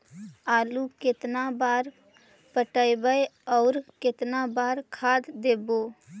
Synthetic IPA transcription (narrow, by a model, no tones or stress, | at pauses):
aːlukɪt̪nabaːɾ | pəʈəjbəeɔːɾkɪt̪nabaːɾkʰaːd̪d̪eːboː